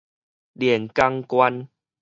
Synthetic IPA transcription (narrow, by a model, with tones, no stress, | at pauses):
ɗi˨˩ənka˧ŋkwa˧n